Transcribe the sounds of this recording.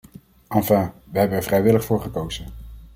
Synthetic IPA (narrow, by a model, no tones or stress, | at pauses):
ɑnfãːʋəɦɛbənɛɹvrɛjʋɪləχfʊːɹχəkowz̥ən